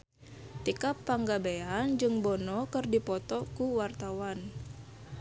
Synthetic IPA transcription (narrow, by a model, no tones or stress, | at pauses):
t̪ikapːaŋɡabejand͡ʒɨŋbɔnɔkɨrdipɔt̪ɔkuwart̪awan